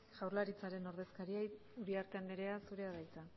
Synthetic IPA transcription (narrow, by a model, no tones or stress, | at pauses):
ʝ̥awɾlaɾit͡saɾe̞no̞ɾðe̞skaɾia | uɾiaɾt̪e̞and̪eɾe̞asuɾe̞aðajt͡sa